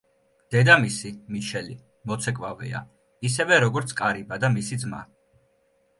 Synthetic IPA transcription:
d̪̥ɛd̪amisimiʃɛli | mɔt̪sʰɛkʼvavɛ̰a̰ | isɛvɛɾɔɡɔɾt̪sʰkʼaɾibad̪amisid̪zma̰

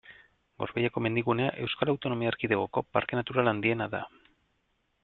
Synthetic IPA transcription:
ɡo̞̰ɾβejako̞me̞nd̪iɣune̞aʔe̞wskalawt̪o̞no̞miaeɾkiðeɣoko̞paɾke̞nat̪uɾaland̪ie̞naða̰

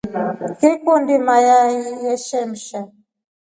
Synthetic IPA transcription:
kekondimajajijɛʃɛm̩ʃa

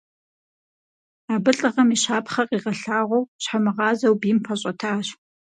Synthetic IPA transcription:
aːbɨɬʼɐʁɐmiɕaːpχɐqʼiːʁɐɬaːʁʷɔwɕħamɨʁɑːzɐwbiːmpʰɐɕʼɐtʰaːɕ

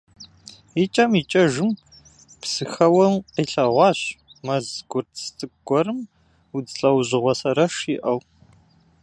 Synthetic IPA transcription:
it͡ʃʼɐmit͡ʃʼɐʒɨm | psɨxɐwɐmqiɬɐʁʷɑːɕmɐzɡʷʊrtʰstʼɨɡʷɔɾɨm | ud͡zɬʼɐwʑɪʁʷɔsɐɾɐʂiʔɐw

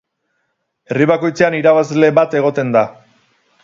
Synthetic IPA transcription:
e̞riβ̞ako̞jt͡se̞aniɾaβazle̞βat̪e̞ɣ̞o̞t̪e̞nd̪a

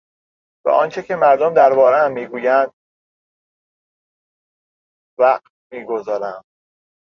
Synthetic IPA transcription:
b̥ɛ̰ʔɒːnt͡ʃʰecʰe̞mæɾd̪omd̪æɾbɒːɾeæmːiːɡuːjænd̪̥̚ | væqt̪̚miːɡozɒːɾæm

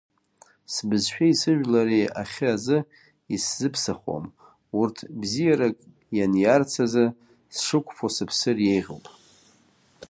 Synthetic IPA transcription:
sbɨzʃᶣaisɨʒᶣlaɾia̰χʲɨazɨ | iszɨpʰsaχo̰m | urtʰbzijaɾakʼ | janjart͡sʰazɨ | sʂɨkʷʰʼfʰosɨpʰsɨrjejʁo̰wpʼ

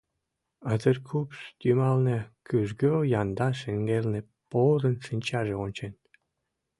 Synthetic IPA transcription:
ɑzĕrkʰupst̪ʲymɑlˠnĕkʰyʒɡøjɑnd̪ɑʃĕŋɡelʲnʲĕ | pozɤ̆nsinʲt͡ɕɑʒĕonʲt͡ɕenʲ

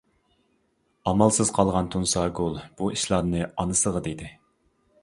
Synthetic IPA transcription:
ɑmɑlˠsɨz̥qʰɑlˠʁɑnt̪ʰunsɑɡolˠb̥uiʃlˠɑnɨɑnɨsəʁəd̪ed̪ɪ

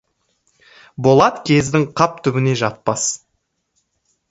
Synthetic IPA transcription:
bo̞lˠɑt̪kʲʰe̞zd̪ɪŋqʰɑp̚t̪ʰʏbɪne̞ʒɑt̪̚pɑs

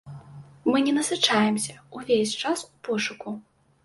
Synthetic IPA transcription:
mɨnʲɛnɐsɨt͡ʂajɛmsʲɐuvʲesʲt͡ʂasupɔʂuku

